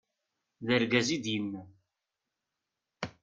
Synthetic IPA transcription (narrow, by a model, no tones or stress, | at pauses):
ðəɾɡæzid̪jənːæ